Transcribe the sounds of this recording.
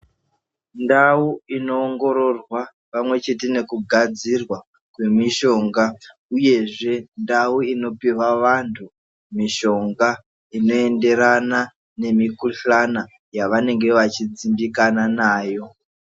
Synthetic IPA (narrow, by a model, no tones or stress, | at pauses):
ndauino̞ːŋɡo̞ɾo̞rwa | pamwe̞t͡ʃe̞tine̞kuɡʱad͡zirwa | kwe̞miʃo̞ŋɡa | uje̞ʐe̞ndauino̞piwaʋantʰu | miʃo̞ŋɡa | ino̞e̞nde̞ɾana | ne̞mikuɬana | jaʋane̞ŋɡe̞ʋat͡ʃid͡zimbikananaːjo̞